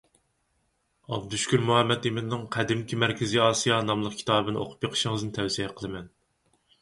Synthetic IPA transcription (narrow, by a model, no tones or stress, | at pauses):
ɑb̚d̪uʃkʲyɾmuhɛmːɛt̪imɪnɨŋqʰæd̪ɪmkʲimæɾkʲʰɪziɑːsijɑnɑmlˠəq̚kʲʰi̥t̪ɑːbbɨnɨo̰qʰʊ̥pjeqʰə̥ʃɪŋɨznɨt̪ʰɛwsijɛqʰəlˠɨmɛn